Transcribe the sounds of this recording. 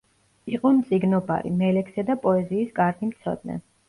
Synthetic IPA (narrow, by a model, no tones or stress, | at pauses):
iqʼɔmt̪sʼiɡnɔba̰ɾḭmɛlɛksad̪apʼɔɛziːskʼaɾɡ̪imt̪sʰɔ̰d̪nɛ̰